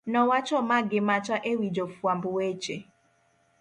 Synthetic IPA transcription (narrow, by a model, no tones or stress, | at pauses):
nɔwat͡ʃɔmaɡɪmat͡ʃaʔewid͡ʒofuam̩bʊwet͡ʃe